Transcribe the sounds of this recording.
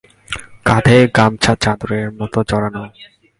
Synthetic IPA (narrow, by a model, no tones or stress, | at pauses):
kad̪ʱeɡamt͡ɕʰat͡ɕʰad̪uɾeɾmɔt̪od͡ʑɔɾano